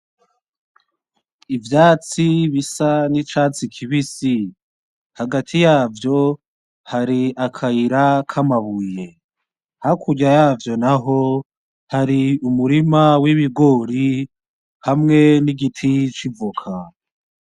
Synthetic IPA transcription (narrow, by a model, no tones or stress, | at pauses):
ivjaːt͡siβisanit͡ʃaːt͡sikʰiβisi | haɡatʰijaːvjo̞ | haɾiakʰaiɾakʰamaβuje̞ | hakʰuɟajaːvjo̞naɦo̞ | haɾiumuɾimawiβiɡo̞ːɾi | hamŋe̞niɡitʰit͡ʃivukʰa